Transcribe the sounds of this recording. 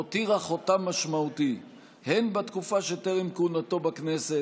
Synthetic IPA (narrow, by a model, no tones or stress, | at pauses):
ot̪iʁaχo̞t̪amːaʃmaut̪i | henbat̪kufaʃet̪eʁimkunat̪o̞bakne̞se